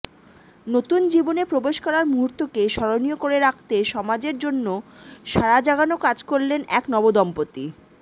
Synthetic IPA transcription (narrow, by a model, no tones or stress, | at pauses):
not̪und͡ʑibonepɾobeʃkɔɾaɾmuɦuɾt̪okeʃɔɾonijokoɾeɾakʰt̪eʃɔmad͡ʑeɾd͡ʑonːoʃaɾad͡ʑaɡanokad͡ʑkoɾlenɛknɔbod̪ɔmpot̪i